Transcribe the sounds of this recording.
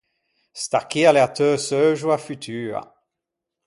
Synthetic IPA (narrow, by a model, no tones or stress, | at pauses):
st̪akialeat̪œːsœʒwafyt̪ʰyːʁa̰